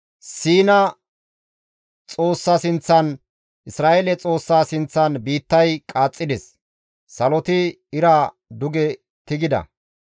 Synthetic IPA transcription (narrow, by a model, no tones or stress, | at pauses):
siːnɐ | t͡sʼo̞ːsːaːsɪnt͡sːɐn | ʔɪsɾaːʔeːlɛt͡sʼo̞ːsːaːsɪnt͡sːɐnbiːt̪ːɐjkʼaːt͡sʼːɪd̪ɛs | sɐlɔt̪ɪ | ɪɾa | d̪ʊɡɛ | t̪ɪɡɪd̪ɐ̰